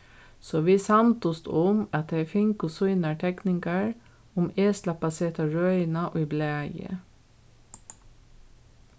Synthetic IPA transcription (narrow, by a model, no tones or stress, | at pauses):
sɔːʋiːsɑnt̪ɔst̪ʊmɑt̪̚d̪efɪŋkʊsuʏnɑʈʰɛknɪŋɡɑɹ | ʊmeːslɑpɑseːt̪ɑɹœʏɪnɑʔoiːbleɑjə̰